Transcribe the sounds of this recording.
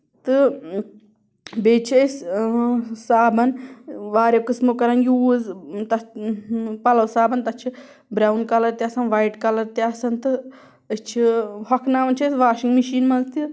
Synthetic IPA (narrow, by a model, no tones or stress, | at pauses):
t̪ɨ | beːt͡ʃʰis | saːbɐnʋaːɾʲɐwkɨsmokɐɾɐnjuːzt̪ɐ | pɐlɐwsaːbɐnt̪ɐt͡ʃʰi | bɾawnkɐlɐɾt̪iɐsɐnʋajʈkɐlɐɾt̪iɐsɐnt̪ɨ | ət͡ʃʰihɐkʰnaːʋɐnt͡ʃʰɐsʋaːʃiŋɡmiʃiːnmɐlt̪i